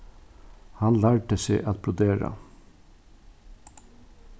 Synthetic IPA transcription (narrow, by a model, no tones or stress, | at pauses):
hɑnlæːʈəseːʔɑt̪̚bʰɾʊd̪eːɾɑ̰